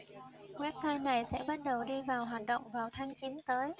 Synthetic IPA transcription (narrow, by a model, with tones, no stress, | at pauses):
wɛ˦˥p̚saː˧jna˨˩jsɛ̰˧˥ɓa˦˥t̚ɗə˨˩wɗi˧vaː˨˩wɦaː˨˩t̚ɗə̰˧˨wŋ͡mvaː˨˩wt̪ʰaː˨˦ŋt͡ɕi˨˦nt̪əː˨˦j